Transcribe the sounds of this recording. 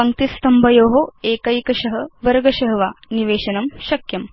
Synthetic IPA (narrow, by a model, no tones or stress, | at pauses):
ɐŋkt̪ist̪ɐmbʱɐjoːɦoeːkɐjkɐʃɐɦəʋɐɾɡɐʃɐɦɐʋaniʋeːʃɐnɐmɕɐkjɐm